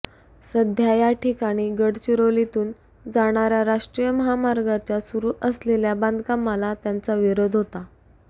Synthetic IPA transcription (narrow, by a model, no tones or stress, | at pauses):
səd̪ʱjajaʈʰikaɽ̃iːɡəɽt͡ɕiɾolit̪uːn | d͡zaɽ̃aɾjaɾaʂʈɾijəməɦamaɾɡat͡ɕjasuɾuːʔəsleljaband̪ʱkamalat̪jant͡saʋiɾod̪ʱɦot̪a